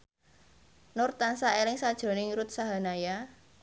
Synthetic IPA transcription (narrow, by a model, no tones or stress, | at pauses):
nʊrt̪ansaelɪŋsad̥ʒ̥o̤nɪŋɾʊt̪̚saɦa̤naja